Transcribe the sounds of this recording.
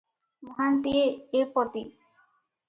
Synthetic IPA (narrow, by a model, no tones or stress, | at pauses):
mɔɦant̪ieepot̪i